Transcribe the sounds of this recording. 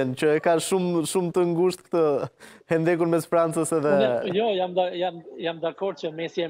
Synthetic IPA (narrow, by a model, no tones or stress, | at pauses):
ɛnt͡ɕəɛkaʃumʃumt̪əŋɡuʃt̪kt̪əhɛnd̪ɛk̬uɾmɛsfɾant͡səsɛðɛjjɔjamd̪ajamjamd̪akɔɾd̪t͡ʃəmɛsjɛ